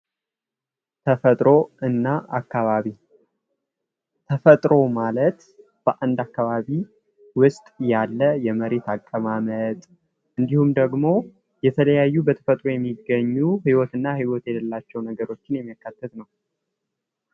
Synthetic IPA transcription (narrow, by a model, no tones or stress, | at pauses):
t̪ʰəfət̪ʼɾo̞ɨnːaa̰kːaβaβi | t̪ʰəfət̪ʼɾo̞malət̪ | b̥əʔand̪akːaβaβi | wʊst̪ʼjalːəjɛməɾe̞t̪akʼːəmamət̪ʼ | ʔɨnd̪ihumd̪əɡmo̞ | jɛt̪ʰələjajːubət̪ʰə̥fət̪ʼɾo̞jɛmːiɡːəɲːuɦiwɔt̪ɨnːahiwɔt̪jɛd̪əlːat͡ʃːɛwnəɡəɾo̞t͡ʃːɪnjɛmːijakːat̪ːət̪nəw